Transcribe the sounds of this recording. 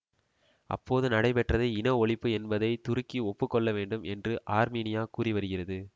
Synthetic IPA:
ʔɐ̰pːoːðɯnɐɽɐɪpɛʈrɐðɐɪɪnɐɔɭɪpːɯɛnbɐðɐɪt̪ʊɾɯkːiɔpːɯkːɔɭːɐʋeːɳɖɯmʔɛndrɯʔaːɾmiːnɪjaːkuːriʋɐɾɯɣɪrɐðɯ

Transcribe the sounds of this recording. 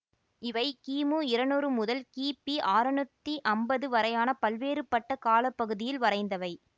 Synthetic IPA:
ɪʋɐɪkiːmuɪɾɐnuːɾɯmʊðɐlkiːpiʔaːɾɐnɯt̪ːiʔɐmbɐðɯʋɐɾɐjaːnɐpɐlʋeːɾɯpːɐʈːɐkaːlɐpːɐɣɯðɪjɪlʋɐɾɐɪnd̪ɐʋɐɪ

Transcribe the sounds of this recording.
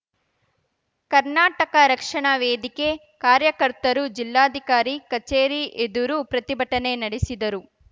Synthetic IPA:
kɐɾnaːʈɐkɐɾɐkʂɐɳaʋeːd̪ike̞ | kaːɾjɐkɐɾt̪ɐɾud͡ʒilːaːd̪ʱikaːɾikɐt͡ʃeːɾiʔed̪uɾupɾɐt̪ibɐʈːɐne̞nɐɽesid̪ɐɾu

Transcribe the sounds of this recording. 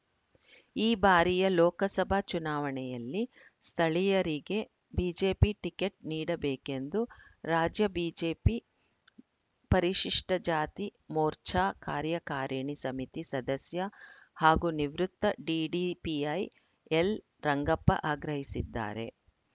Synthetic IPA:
iːbaːɾijɐlɔːkɐsɐbʱɐt͡ʃunaːʋɐɳɛjɐlːi | st̪ʰɐɭijɐɾiɡe̞ | biːd͡ʒeːpiʈike̞ʈ̚niːɽɐbeːke̞nd̪uɾaːd͡ʒjɐbiːd͡ʒeːpi | pɐɾiʃiʂʈɐd͡ʒaːt̪imoːɾt͡ʃaːkaːɾjɐkaːɾɐɳisɐmit̪isɐd̪ɐsjɐhaːɡuniʋɾut̪ːɐɖiːɖipiɐj | el | ɾɐŋɡɐpːɐ̰ʔaːɡɾɐɦisid̪ːa̰ːɾe̞̰

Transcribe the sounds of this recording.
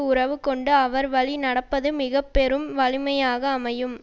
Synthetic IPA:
ʊrɐʋɯkɔɳɖɯɐʋɐɾʋɐɭinɐɽɐpːɐðɯmɪɣɐpːɛɾɯmʋɐlɪmɐjaːɣɐːmɐjɯm

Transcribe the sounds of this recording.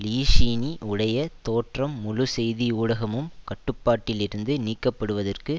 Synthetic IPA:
liːʂiːniʔʊɽɐjɐt̪oːʈrɐmːʊlʊsɛjðiuːɽɐɣɐmɯmkɐʈːɯpːaːʈːɪlɪɾɯnd̪ɯniːkːɐpːɐɽɯʋɐðɐrkɯ

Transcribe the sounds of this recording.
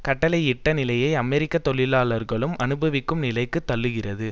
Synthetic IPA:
kɐʈːɐlɐɪɪʈːɐnɪlɐjɐɪɐmɛɾɪkːɐt̪ːɔɭɪlaːlɐɾɣɐɭɯmʔɐnɯbɐʋɪkːɯmnɪlɐɪkːɯt̪ːɐɭːɯɣɪrɐðɯ

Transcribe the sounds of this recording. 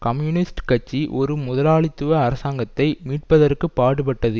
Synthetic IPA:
kɐmjuːnɪsʈkɐt͡ʃːiʔɔɾɯmʊðɐlaːɭɪt̪ːɯʋɐːɾɐsaːŋɡɐt̪ːɐɪmiːʈ̚pɐðɐɾkɯpːaːɽɯpɐʈːɐðɯ

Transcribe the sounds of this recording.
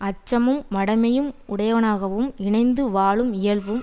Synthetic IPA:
ɐt͡ʃːɐmɯmːɐɽɐɪmɐjɯmʊɽɐjɐʋɐnaːɣɐʋɯmɪɳɐɪnd̪ɯʋaːɭɯmɪjɐɭʋɯm

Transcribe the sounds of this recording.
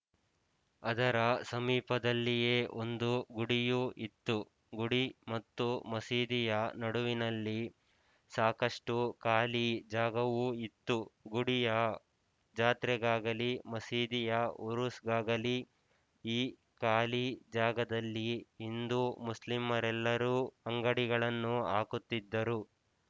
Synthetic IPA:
ɐd̪ɐɾɐsɐmiːpɐd̪ɐlːijeːʔo̞nd̪uɡuɽijuʔit̪ːu | ɡuɽimɐt̪ːumɐsiːd̪ijɐnɐɽuʋinɐlːi | saːkɐʂʈukaːlid͡ʒaːɡɐʋuit̪ːuɡuɽijɐ | d͡ʒaːt̪ɾɛɡaːɡɐlimɐsiːd̪ijɐuɾusɡaːɡɐli | iː | kaːlid͡ʒaːɡɐd̪ɐlːiːnd̪umuslimːɐɾɛlːɐɾuːɐŋɡɐɽiɡɐɭɐnːua̰ːkut̪ːid̪ːɐɾu

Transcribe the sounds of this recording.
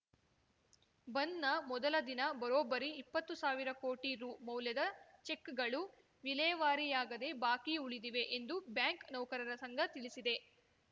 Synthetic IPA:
bɐnːɐmɔd̪ɐlɐd̪inɐbɐɾoːbɐɾiːpːɐt̪ːusaːʋiɾɐko̞ːʈiɾuːmɐwljɐd̪ɐt͡ʃe̞kːɡɐɭu | ʋilɛjɐʋaːɾijaːɡɐd̪e̞baːkiuɭid̪iʋe̞ʔend̪ubjaːŋknɐwkɐɾɐɾɐsɐŋɡʱɐt̪iɭisid̪e̞

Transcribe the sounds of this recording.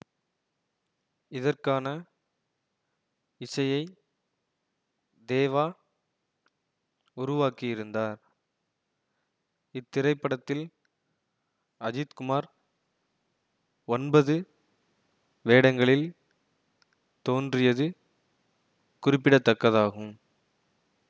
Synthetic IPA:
ɪðɐrkaːnɐ | ɪsɐjɐɪ | d̪eːʋaː | ʊɾʊʋaːkɪjɪɾɯnd̪aːɾ | ɪt̪ːɪɾɐɪpːɐɽɐt̪ːɪl | ɐd͡ʒɪt̪kʊmaːɾ | ɔnbɐðɯ | ʋeːɽɐŋɡɐɭɪl | t̪oːndrɪjɐðɯ | kʊrɪpːɪɽɐt̪ːɐkːɐðaːɣɯm

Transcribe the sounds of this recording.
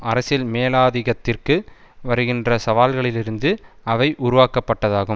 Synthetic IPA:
ɐɾɐsɪlmeːlaːðɪɣɐt̪ːɪrkɯ | ʋɐɾɯɣɪndrɐsɐʋaːlɣɐɭɪlɪɾɯnd̪ɯɐʋɐɪʔʊɾʊʋaːkɐpːɐʈːɐðaːɣɯm

